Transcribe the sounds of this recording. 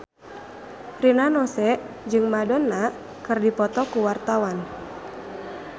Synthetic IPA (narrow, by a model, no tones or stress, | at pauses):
rinanɔsɛʔ | d͡ʒɨŋmadɔnːa | kɨrdipɔt̪ɔkuwart̪awan